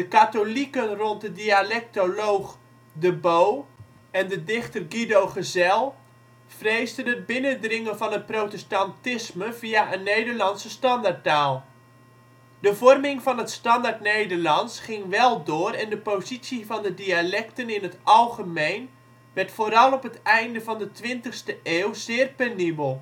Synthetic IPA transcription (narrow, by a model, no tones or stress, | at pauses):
d̥əkatolikənront̚dədialɛk̚tolowχ | dəbow | ɛndədɪχtərɡidowχəzɛlˠ | frejzdənəd̚bɪnədrɪŋənvɑnɦət̚prowtɛstantɪsməviaʔənːejdərlɑnsəstɑndart̚aːlˠ | dəvɔrmɪŋvɑnətstɑndartnejdərlɑnsχɪŋʋɛlˠdʊːrɛndəpozisivɑndədialɛktənɪnɦətʔɑlˠχəmejn | ʋɛrtfoːɾɑlˠɔpətɛjndəvɑndətʋɪntəxstəʔeːwzɪːərpɛnibəlˠ